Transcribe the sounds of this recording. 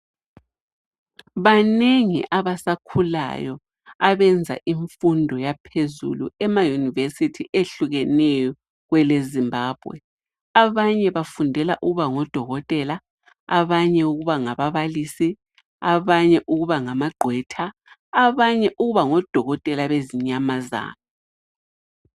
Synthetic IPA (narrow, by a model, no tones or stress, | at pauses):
βaneŋḭʔaβasakʰula̰jɔ | aβɛnd͡zʱa̰ʔiɱfundʱɔjapʰezṵlṵɛmajunivesitʰiʔeɬuɣɛnɛjɔ | ɣwɛlezimbʱaːb̥ʱwɛ̰ | aβaɲɛβafundʱɛlaʔuɣuβaŋɔd̥ʱɔɣɔtʼɛla | aβaɲɛuɣuβaŋaβaβalisi | aβaɲɛʔuɣuβaŋamaɡ͡ǃʱwɛtʰaː | βaɲɛʔuɣuβaŋɔd̥ʱɔɣɔtʼɛlaβeziɲamaza̰ːnɔ